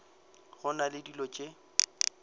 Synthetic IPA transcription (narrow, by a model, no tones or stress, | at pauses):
ɣʊnalɪdilɔt͡ʃʼe